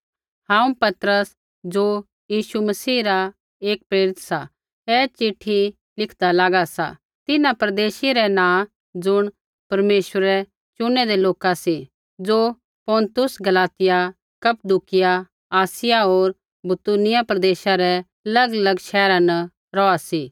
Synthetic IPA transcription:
hãːũpɐt̪ɾəs | d͡ʒoː | jiːʃumɐsiːɾa | eːk̚pɾeːɾɪt̪sa | ɛːt͡ʃɪʈʰːi | lɪkʰd̪alaːɡasa̰ | t̪ɪnãpɾɐd̪eːʃiɾɛnãː | d͡ʒʊɽ̃ | pɐɾmeːʃwəɾɛ | t͡ʃʊnɛd̪ɛloːkasi | d͡ʒoː | pɔ̃ːnt̪ʊsɡɐlaːt̪ɪja | kɐpd̪ukɪja | aːsɪjaoːɾ | bʊt̪unɪjapɾɐd̪eːʃaɾɛ | ɐlɐɡlɐɡʃɛːɾãnɐ | ɾɔːasiː

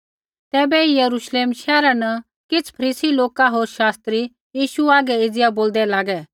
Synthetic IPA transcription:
t̪ɛːbɛijəɾuʃleːmʃɛːɾanə | kɪt͡sʰpʰɐɾiːsiloːkaɦoːɾʃaːst̪ɾi | jiːʃuaːɡɛɪd͡zɪjaboːld̪ɛlaːɡɛ

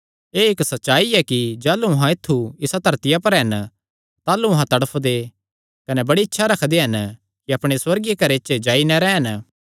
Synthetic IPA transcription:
eːɪksɐtːʃaːiɛkid͡ʒaːluɐɦãɪt̪ʰːuɪsad̪ʱɐɾt̪ɪjapɐɾɦɐn | t̪aːluɐɦãt̪ɐɽəpʰd̪e | kɐnɛbɐɽiɪtːʃʰaɾɐkʰd̪eɦɐn | kiɐpɽ̃eswɐɾɡjekɐɾet͡ʃd͡ʒaːinɛɾɛːɦɐn

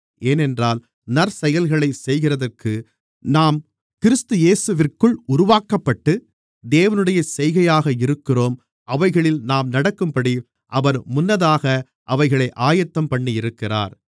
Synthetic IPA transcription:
eːnɛndraːl | nɐɾsɛjɐlɣɐɭɐɪsɛjɣɪrɐðɐrkɯ | naːm | kɪɾɯst̪ɯjeːsɯʋɪrkɯɭʊɾʊʋaːkɐpːɐʈːɯ | d̪eːʋɐnɯɽɐjɐsɛjɣɐjaːɣɐɪɾɯkːɪroːm | ʔɐʋɐɪɣɐɭɪlnaːmnɐɽɐkːɯmpɐɽi | ʔɐʋɐɾmʊnːɐðaːɣɐ | ʔɐʋɐɪɣɐɭɐɪʔaːjɐt̪ːɐmpɐɳːiɪɾɯkːɪra̰ːɾ

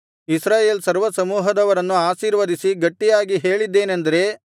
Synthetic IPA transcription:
isɾaːje̞ːlsɐɾʋɐsɐmuːɦɐd̪ɐʋɐɾɐnːuaːʃiːɾʋɐd̪isiɡɐʈːijaːɡiɦe̞ːɭid̪ːe̞ːnɐnd̪ɐɾe̞

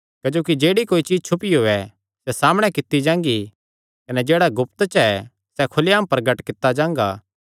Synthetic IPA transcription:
kɐd͡ʒoːkid͡ʒeːɽikoːit͡ʃiːzt͡ʃʰʊpiɦoːɛ | sɛsaːmɽ̃ɛkɪt̪ːid͡ʒãːŋ̆ɡi | kɐnɛd͡ʒeːɽaɡʊpt̪t͡ʃɛ | sɛkʰʊlɪjaːmpɐɾɡəʈkɪt̪ːad͡ʒãːŋ̆ɡa̰ː

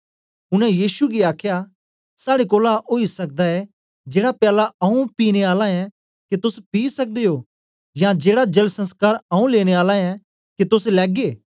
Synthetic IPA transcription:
ʊnɛ̃jiːsuɡiaːkʰja | saːɽekoːlaʔoːisɐk̚d̪aɛ | d͡ʒeːɽapjaːlaɐũpiːñeaːlãɛ̃ | ket̪ʊspiːsɐk̚d̪eoː | jãd͡ʒeːɽad͡ʒɐlsɐ̃nskaːɾɐũleːɽ̃eaːlãɛ̃ | ket̪ʊslɛːɡeː

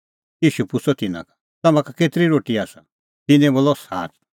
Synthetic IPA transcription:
jiːʃupʊt͡sʰɔt̪ɪnã̰kḁ | t̪ɐmãkakeːt̪ɾiɾoːʈiaːsã̰ | t̪ɪnẽboːlɔsa̰ːt̪

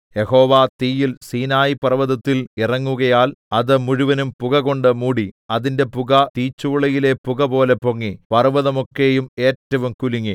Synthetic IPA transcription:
je̞ho̞ːʋaːt̪iːjilsiːnaːjipɐrʋɐðɐt̪ːilirɐŋːuɣɐjaːlɐðɨmuɻuʋɐnumpuɣɐɣo̞ɳɖɨmuːɽiɐðinde̞puɣɐt̪iːt͡ɕːuʋɭɐjile̞puɣɐpo̞ːle̞poŋːipɐrʋɐðɐmo̞kːe̞jume̞ːtːɐʋumkuliŋːi

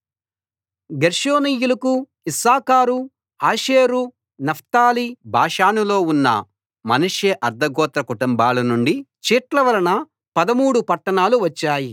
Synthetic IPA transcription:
ɡeɾʂoːnijulɐku | isaːkaːɾu | aːʃeːɾu | nɐpʰt̪aːlibʱaːʂaːnulo̞ːunːɐ̰ | mɐnuʂjɐʔɐɾd̪ɐɡɔːt̪ɾɐkuʈumbaːlɐnuɳɖit͡ʃiːʈlɐʋɐɾɐnɐ | pɐd̪ɐmuːɽupɐʈːɐɳaːluʋɐt͡ʃːaːji

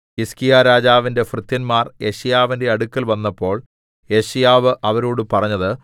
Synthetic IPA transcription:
iskijaːɾaːd͡ʑaːʋinde̞frɨt̪ːjɐnmaːrje̞ɕijaːʋinde̞ɐɽukːɐlʋɐnːɐpːo̞ːɭ | je̞ɕijaːʋɨʔɐʋɐɾoːɽɨpɐrɐɲːɐðɨ

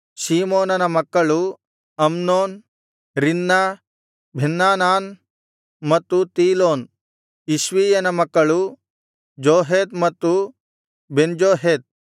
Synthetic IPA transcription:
siːmoːnɐnɐmɐkːɐɭu | ɐmnoːn | ɾinːa | bʱinːaːnaːn | mɐt̪ːut̪iːloːn | iʃʋiːjɐnɐmɐkːɐɭu | d͡ʒoːɦeːd̪̚mɐt̪ːu | bend͡ʒoːɦeːd̪̚

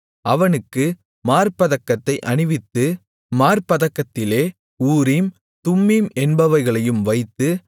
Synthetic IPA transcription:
ʔɐʋɐnɯkːɯ | maːɾpɐðɐkːɐt̪ːɐɪʔɐɳɪʋɪt̪ːɯ | maːɾpɐðɐkːɐt̪ːɪleː | uːɾim | t̪ʊmːimɛnbɐʋɐɪɣɐɭɐjɯmʋɐɪt̪ːɯ

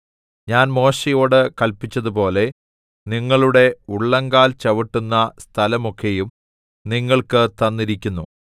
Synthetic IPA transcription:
ɲaːnmo̞ːʂijo̞ːɽɨkɐlpit͡ɕːɐðupo̞ːle̞ | niŋːɐɭuɽe̞uɭːɐŋɡaːlt͡ɕɐʋiʈːunːɐst̪ʰɐlɐmokːejum | niŋːɐɭkɨt̪ɐnːiɾikʲːunːu

